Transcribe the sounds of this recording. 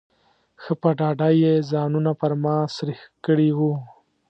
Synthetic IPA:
xəpəɖɑɖajezɑnunapəɾmɑsɾixkəɽiwu

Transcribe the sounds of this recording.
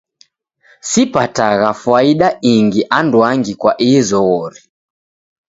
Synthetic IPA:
sipataɣafwaiɗaiŋɡiʔandwaŋɡikwaʔizɔɣɔɾi

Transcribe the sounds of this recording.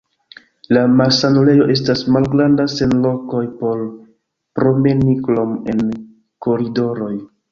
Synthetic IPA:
lamasanule̞jo̞ʔe̞s̬tasmalɡɾandase̞nlo̞ko̞jpo̞ɾ | pɾo̞me̞niklo̞me̞̰n | ko̞ɾido̞ɾo̞j

